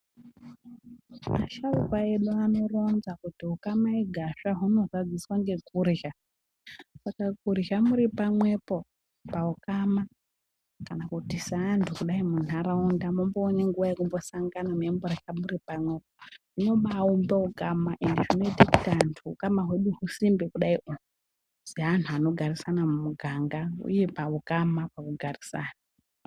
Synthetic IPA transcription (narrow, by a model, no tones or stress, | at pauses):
maʃaukwaeɗuano̞ro̞nzakutiɦukamaiɡʱaʃaɦuno̞zad͡ziswaŋɡe̞kurʒa | sakakurɦamuɾipamwe̞po̞ | paukama | kanakutisaːntʰukuɗaimun̤aɾaundamomboːɲeŋɡuʋajekumbo̞saŋɡanamuemboɾaxamuɾipamwe̞poʐ̥ino̞ɓaumbeukamaʔendeʐino̞itiki̥tantʰuukamaɦwe̞ɗuɦusimbikuɗaiʔo | zeantʰuano̞ɡʱarisanamumuɡʱaŋɡaṵje̞paukamapakuɡʱarisaːna